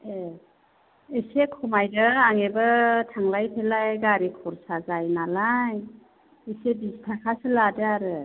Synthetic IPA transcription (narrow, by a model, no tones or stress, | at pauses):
e | esekʰɔmajdɯaŋebɯtʰaŋlajpʰelajɡaɾikʰɔɾsaɡajnalaj | esebistʰakʰasɯladɯaɾɯ